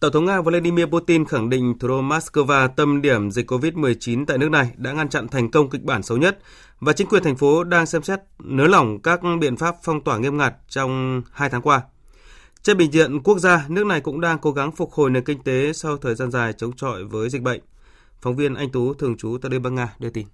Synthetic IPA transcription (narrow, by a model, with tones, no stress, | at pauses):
t̪ə˧˩ŋ͡mt̪ʰə˨˦ŋ͡mŋaː˧vo˧la˧ɗi˧mi˧əpu˧˥t̪i˧nxa˧˩ŋɗḭ̈˧˨ŋ̟t̪ʰu˨˩ɗo˧maː˦˥tskəː˧vaː˧t̪ə˧mɗi˧˩əmzi˨˩k̟kːo˧vi˦˥t̚mɨ˨˩əjt͡ɕi˨˦nt̪a̰ː˧˨jnɨ˦˥ək̚na˨˩jɗa̰ː˧˥ŋa˧nt͡ɕa̰˧˨nt̪ʰɛ˨˩jŋ̟kə˧wŋ͡mkï˨˩k̚ɓaː˧˩nsə˨˦wɲə˦˥t̚ | vaː˨˩t͡ɕï˨˦ŋkwi˨˩ənt̪ʰŋ̟fo˨˦ɗaː˧ŋsɛ˧msɛ˦˥t̚nɨ˨˦la˨˧˩wŋ͡mkaː˦˥k̚ɓḭ˧˨ənfaː˦˥p̚fɔ˧wŋ͡mt̪waː˧˩ŋi˧əmŋaː˨˩t̚t͡ɕɔ˧wŋ͡mhaː˧jt̪ʰaː˨˦ŋkwaː˧ | t͡ɕɛ˧˥ɓï˧˨ŋ̟vḭ˧˨ənku˦˥ək̚zaː˧nɨ˦˥ək̚na˨˩jkʊ̰˧˥ŋ͡mɗaː˧ŋko˨˦ɣa˨˦ŋfʊ˨˩t̚ho̰˨˩jne˨˩nkï˧ŋ̟t̪e˨˦sa˧wt̪ʰəː˨˩jzaː˧nzaː˨˩jt͡ɕə˨˦wŋ͡mt͡ɕɔ̰˧˨jvəː˨˦jzi˨˩k̟̚ɓə̰˧˨jŋ̟ | fa˨˦wŋ͡mvi˧ənʔa˧jŋ̟t̪u˨˦t̪ʰɨ˨˩əŋt͡ɕu˨˦t̪a̰˧˨lə˧ɓaː˧˥nŋaː˧ɗi˧ət̪i˧n